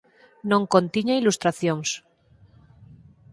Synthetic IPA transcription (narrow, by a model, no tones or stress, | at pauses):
nõŋkont̪iɲailust̪ɾaθjoŋs